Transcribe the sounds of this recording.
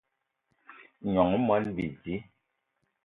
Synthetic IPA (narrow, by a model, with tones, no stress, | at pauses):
ɲɔ˨ŋ˦mɔ˨˦lbi˨zi˦